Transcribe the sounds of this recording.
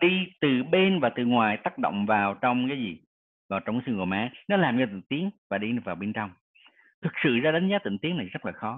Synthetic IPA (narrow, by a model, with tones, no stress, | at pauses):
ɗi˧t̪ɨ˨˩ɓe˧nvaː˨˩t̪ɨ˨˩ŋwaː˨˩jt̪aː˦˥k̚ɗo̰˧˨wŋ͡mvaː˨˩wt͡ɕɔ˧wŋ͡mkaː˨˦jzi˨˩ | vaː˨˩wt͡ɕɔ˧ŋ͡maː˨˦sɨ˧ŋko˨˩maː˨˦nɔ˨˦laː˨˩mɲɛ˧˩t̪ḭ˧˨ŋ̟t̪i˨˦əŋvaː˨˩ɗi˧nɨ˨˩k̚vaː˨˩ɓe˧nt͡ɕɔ˧wŋ͡m | t̪ʰɨ˨˩k̚sɨ̰˧˨zaː˧ɗa˨˦ŋ̟zaː˨˦t̪ḭ˧˨ŋ̟t̪i˨˦əna˨˩jzə˦˥t̚laː˨˩xɔ˨˦